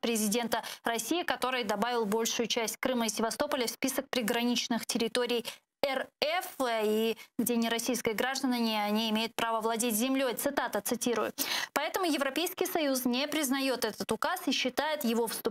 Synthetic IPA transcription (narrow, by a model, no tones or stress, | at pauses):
pɾʲɪzʲɪdʲe̞nt̪ərɐsʲijɪkɐt̪o̞ɾɨjd̪ɐbavʲɪlˠbo̞lʲʂʊjʊt͡ɕæsʲt̚ʲkɾɨməisʲɪvɐst̪o̞pəlʲɪfspʲisək̚pɾʲɪɡɾɐnʲit͡ɕnɨxtʲɪɾʲɪt̪o̞ɾʲɪj | ɛrɛfiɡdʲenʲɪɾɐsʲijskəjəɡɾaʐd̪ənənʲɪɐnʲiɪmʲejʊt̪̚pɾavəvlˠɐdʲetʲzʲɪmlʲojt̪sɨt̪at̪ət̪sɨtʲiɾʊjʊ̰pɐɛt̪əmʊjɪvɾɐpʲejskʲɪjsɐjusnʲepɾʲɪznɐjo̞t̪ɛt̪ət̪ʊkasiɕːɪt̪ajɪt̪jɪvo̞fst̪ʊ